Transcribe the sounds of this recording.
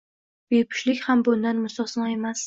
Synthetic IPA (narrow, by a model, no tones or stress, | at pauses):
bepʰɪ̥ʃlɪkʲhambʊnd̪anmʊsɒsnɒe̞mas